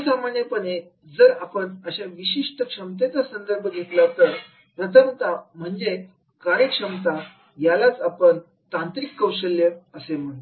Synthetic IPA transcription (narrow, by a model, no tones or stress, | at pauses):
samaɳjəpəɳe | d͡zəɾapəɳəɕaʋiɕiʂʈəkʂəmt̪et͡sasənd̪əɾbʱəɡʱet̪lat̪əɾ | pɾət̪ʰəmt̪am̤əɳd͡ze | kaɾjəkʂəmt̪a | jalat͡sapəɳ | t̪ãnt̪ɾikːəwɕəljəəsem̤əɽ